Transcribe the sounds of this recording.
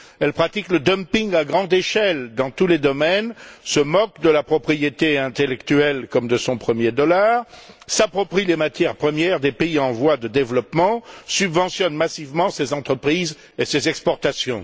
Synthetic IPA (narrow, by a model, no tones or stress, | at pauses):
ɛlpχat̪ikləd̪ə̃mpĩŋɡaɡʁɑ̃d̪eʃɛld̪ɑ̃t̪uled̪ɔmɛnsəmɔkd̪əlapχɔpχijet̪eɛ̃t̪elɛkt̪yɛlkɔmd̪əsɔ̃pχəmjed̪ɔlaʁsapχɔpχilemat̪jɛʁpχəmjɛʁd̪epeiɑ̃vwad̪əd̪evlɔpmɑ̃sybvɑ̃sjɔnmasivmɑ̃sezɑ̃t̪χəpχiz | esezɛkspɔʁt̪asjɔ̃